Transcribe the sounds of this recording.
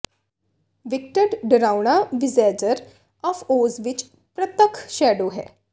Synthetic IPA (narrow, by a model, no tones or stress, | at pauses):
ʋik̚ʈəɖɖɾawɳ̃aʋizɛd͡ʒəɾ | ɔfozʋit͡ʃ | pɾət̪əkʰʃɛɖoɦɛ̰